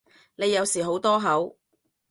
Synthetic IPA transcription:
ne˨˧jːɐ˨˧wsiː˨˩ɦo˨˥wt̪ɔː˥ɦɐ˨˥w

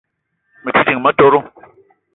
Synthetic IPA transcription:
mɨ˨tʰi˦ti˨ŋmə˦to˦ɾo˦

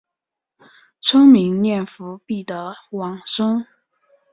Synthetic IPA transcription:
ʈ͡ʂʰɤ˥ŋmi˧˥ŋnjɛ˥˩nfu˧˥pi˥˩d̪ə˧˦wɑ˨˩ŋʂɤ˥ŋ

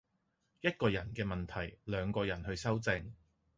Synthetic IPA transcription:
jɐ˥t̚kɔː˧jɐ˨˩nkɛː˧mɐ˨nt̪ʰɐ˨˩jlœː˨˧ŋkɔː˧jɐ˨˩nhɵ˧ɥsɐ˥wt͡sɪ˧ŋ

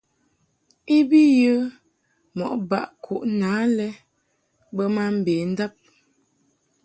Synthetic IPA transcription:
i˦bi˦jə˦ | mɔ˨ʔba̰˨ʔkʰu˨ʔnaː˨˦lɛ˦ | bə˦ma˦m̩˨beː˨n̩˦da˦p̚

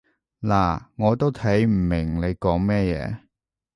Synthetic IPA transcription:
laː˨˩ŋɔː˨˧t̪o˥wt̪ʰɐ˨˥jm̩˨˩mɪ˨˩ŋle˨˧jkɔː˨˥ŋmɛː˥jɛ̰ː˨˧

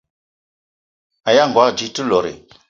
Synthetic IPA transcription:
a˨ja˦˨ŋɡwa˦d͡ʒi˨˦tu˦lɔ˨ɾḛ˨

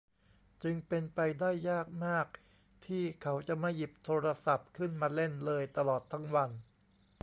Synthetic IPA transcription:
t͡ɕɯ˧ŋpe˧npa˧jdaː˥˩jːaː˥˩k̚maː˥˩k̚ | t̪ʰiː˥˩kʰa˦˥wt͡ɕa˨˩ma˥˩ji˨˩p̚t̪ʰoː˧ɾa˧sa˨˩p̚kʰɯ˥˩nmaː˧le˥˩nlɤː˧jt̪a˧lɔː˨˩t̪ʰːa˦˥˩ŋwa˧n

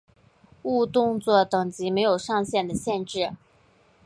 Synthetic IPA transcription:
u˥˧t̪ʊ˥˧ŋt͡swɔ˥˩t̪ɤ˨˩ŋt͡ɕi˧˥me˧˥ɪjo˨˩ʊʂɑ˥˧ŋɕjɛ˥˩nd̪ə˩ɕjɛ˥˧nʈ͡ʂɻ̩˥˩

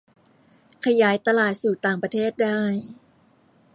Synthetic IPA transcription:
kʰa˧jaː˩˦jt̪a˧laː˨˩t̪̚suː˨˩t̪aː˨˩ŋpɾa˧t̪ʰeː˥˩t̪̚daː˥˩j

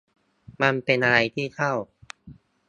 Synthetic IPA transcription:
ma˧npe˧nʔa˧ɾa˧jt̪ʰiː˥˩t̪ʰa˥˩w

